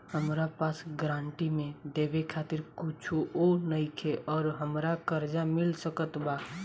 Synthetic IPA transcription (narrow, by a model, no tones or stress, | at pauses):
həmɾapasɡɾãɳʈimẽd̪ebekʰat̪iɾkut͡ʃʰuonəjkʰeʔɔːɾɦəmɾakəɾd͡ʒamilsəkət̪ba